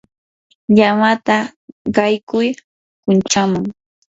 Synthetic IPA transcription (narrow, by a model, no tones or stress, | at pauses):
ʎamat̪aɢɑjkʊj | kʊnt͡ʃamʊŋ